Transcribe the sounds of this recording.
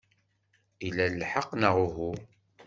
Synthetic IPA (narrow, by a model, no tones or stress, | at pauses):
ilællħəqːnəʁʊɦu